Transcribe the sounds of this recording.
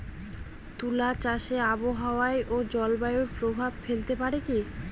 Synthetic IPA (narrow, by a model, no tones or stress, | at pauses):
t̪ulat͡ɕaʃeaboɦaoaeʔod͡ʑɔlbajoɾpɾobʱabfelt̪epaɾeki